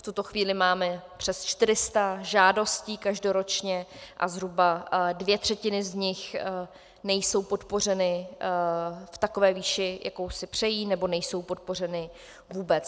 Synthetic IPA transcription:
ft̪ut̪o̞xviːlɪmaːmɛpr̥ɛst͡ʃt̪ɪɾɪst̪aʒaːdo̞sciːkaʒdo̞ɾo̞t͡ʃɲɛʔa̰zɦɾubadvjɛt̪r̝̥ɛcɪnɪzɲɪx | nɛjsowpot̪po̞r̝ɛnɪ | ft̪ako̞vɛːviːʃɪjʔa̰ko̞wsɪpr̝̥ɛjiːnɛbo̞nɛjso̞wpot̪̚po̞r̝ɛnɪ | vuːbɛt͡s

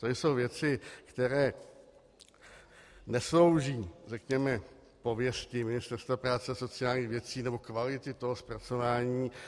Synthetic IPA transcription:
t̪ojso̞wvjɛt͡sɪkt̪ɛɾɛː | nɛslo̞wʒiːrɛkɲɛmɛ | povjɛscɪmɪnɪst̪ɛɾst̪vapɾaːt͡sɛso̞t͡sɪaːlɲiːxvjɛt͡siːnɛbo̞kvalɪt̪ɪt̪o̞ɦospɾat͡so̞vaːɲiː

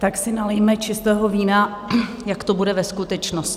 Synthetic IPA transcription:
t̪aksɪnalejmɛt͡ʃɪst̪ɛːɦo̞viːna | jakt̪o̞budɛvɛskut̪ɛt͡ʃnoscɪ

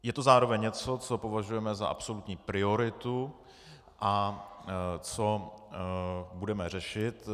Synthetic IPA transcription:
jɛt̪ozaːɾovɛɲɲɛt͡so̞t͡so̞po̞vaʒujɛmɛza̰ʔa̰pso̞lut̪ɲiːpɾɪo̞ɾɪt̪u | ʔa | t͡so̞ | budɛmɛr̝ɛʃɪt̪

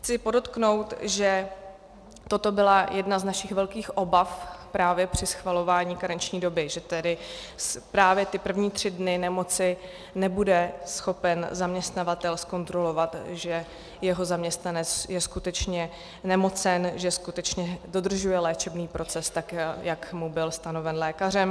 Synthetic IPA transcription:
xt͡sɪpo̞do̞t̪kno̞wt̪ʒɛ | t̪o̞t̪o̞bɪlajʔɛdnaznaʃɪxvɛlkiːxʔo̞bafpɾaːvjɛpr̝̥ɪsxvalo̞vaːɲiːkaɾɛɲt͡ʃɲiːdo̞bɪʒɛt̪ɛdɪspɾaːvjɛt̪ɪpr̩vɲiːt̪r̝̥ɪdnɪnɛmo̞t͡sɪ | nɛbudɛsxo̞pɛnzamɲɛst̪navat̪ɛlsko̞nt̪ɾo̞lo̞vat̪ʒɛ | jɛɦo̞zamɲɛst̪nanɛt͡sjɛskut̪ɛt͡ʃɲɛ | nɛmo̞t͡sɛnʒɛskut̪ɛt͡ʃɲɛdo̞d̪r̩ʒujɛlɛːt͡ʃɛbniːpɾo̞t͡sɛst̪akjakmubɪlst̪ano̞vɛnlɛːkar̝ɛm

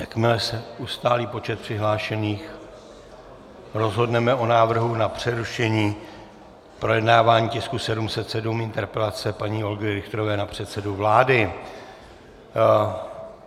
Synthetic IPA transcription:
jakmɪlɛsɛust̪aːliːpo̞t͡ʃɛt̪̚pr̥ɪɦlaːʃɛniːx | ɾo̞zɦo̞dnɛmɛʔo̞naːvr̩ɦunapr̝̥ɛɾuʃɛɲiː | pɾojɛdnaːvaːɲiːcɪskusɛdumsɛt̪sɛdumɪnt̪ɛɾpɛlat͡sɛpaɲiːo̞lɡɛɾɪxt̪ɾo̞vɛːnapr̝̥ɛt̪sɛduvlaːdɪ

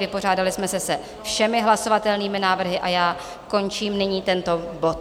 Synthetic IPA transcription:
vɪpo̞r̝aːdalɪsmɛsɛsɛ | fʃɛmɪɦlaso̞vat̪ɛlniːmɪnaːvr̩ɦɪʔajaː | ko̞nt͡ʃiːmnɪɲiːt̪ɛnt̪o̞bo̞t̪

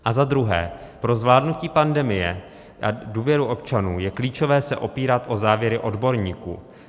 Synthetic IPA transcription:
ʔazad̪ɾuɦɛ̰ːpɾo̞zvlaːdnuciːpandɛmɪjɛ | ʔa̰duːvjɛɾuʔo̞pt͡ʃanuːjɛkliːt͡ʃo̞vɛːsɛʔo̞piːɾat̪ʔo̞zaːvjɛɾɪʔo̞dbo̞ɾɲiːkṵː

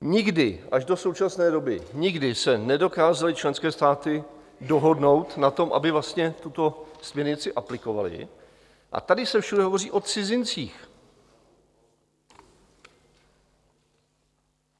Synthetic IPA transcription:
ɲɪɡdɪʔaʒdo̞sowt͡ʃasnɛːdo̞bɪɲɪɡdɪsɛnɛdo̞kaːzalɪt͡ʃlɛnskɛːst̪aːt̪ɪ | do̞ɦo̞dno̞wt̪nat̪o̞mʔa̰bɪvlast̪ɲɛt̪ut̪o̞smɲɛɾɲɪt͡sɪʔaplɪko̞valɪ̰ | ʔa̰t̪adɪsɛfʃudɛɦo̞vo̞r̝iːʔo̞t͡sɪzɪnt͡siːx

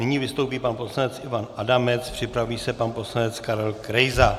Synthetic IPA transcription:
nɪɲivɪst̪owpiːpanpo̞slanɛt͡sʔɪvanʔadamɛt͡spr̝̥ɪpɾaviːsɛpanposlanɛt͡skaɾɛlkɾɛjza

